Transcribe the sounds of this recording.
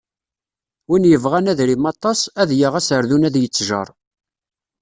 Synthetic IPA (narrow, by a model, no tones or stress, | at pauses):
winjəvʁænæðɾimɑt̪ˤːɑsæðjaʁæsəɾðunæðjət͡sːʒə̰ɾˤ